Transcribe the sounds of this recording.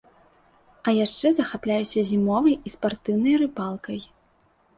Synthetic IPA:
ɐjaʂt͡ʂɛzɐxaplʲajusʲɐzʲimɔvɐjispart̪ɨwnɐjrɨpalˠkɐj

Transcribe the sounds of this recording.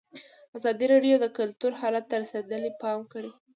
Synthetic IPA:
azɑd̪iɾɑɖjod̪əkʊlt̪uɾhɑlat̪̚ːəɾased̪əlipɑmkəɽi

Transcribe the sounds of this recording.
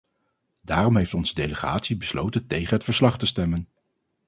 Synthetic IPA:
daːrɔmɦejftɔnz̥ədejləχa̰ːtsibəslo̰wtəntejχənɦətfəɹslɑχtəstɛmən

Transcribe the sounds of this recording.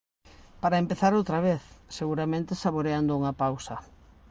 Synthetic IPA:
paɾɐempeθaɾowt̪ɾɐβ̞eθseɣuɾamẽnt̪esaβoɾeand̪ʊuŋɐpawsɐ

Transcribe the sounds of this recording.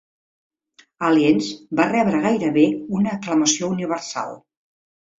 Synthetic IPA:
aliɛnzbarɛβɾəɣajɾəβeunəːkləməsiouniβ̞ərsa̰lˠ

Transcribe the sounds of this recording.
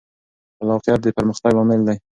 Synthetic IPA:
alɑqijɑt̪̚d̪əpəɾməxt̪aɡɑmɪld̪aj

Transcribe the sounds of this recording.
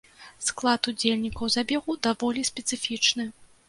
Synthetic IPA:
sklˠat̪ud͡zʲelʲnʲikɐwzabʲɛɣud̪avɔlʲisʲpʲɛt̪sɨfʲit͡ʂnɨ

